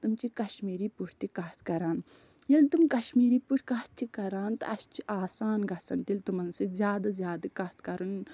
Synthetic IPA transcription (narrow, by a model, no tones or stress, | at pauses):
t̪umt͡ʃikɐʃmiːɾiːpuɾʰt̪ikɐt̪ʰkɐɾaːn | jelt̪umkɐʃmiːɾiːpuʈʰʲkɐt̪̚t͡ʃʰikɐɾaːnt̪ɐst͡ʃʰiʔaːsaːnɡʱɐsɐnt̪ilʲt̪umɐnsizʲjaːd̪ɐzjaːd̪ɨkɐt̪ʰkɐɾun